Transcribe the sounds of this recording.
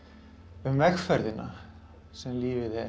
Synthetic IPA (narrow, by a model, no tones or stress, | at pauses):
ʏmvɛxfɛɾðɪna̰ | sɛmliːvɪðɛ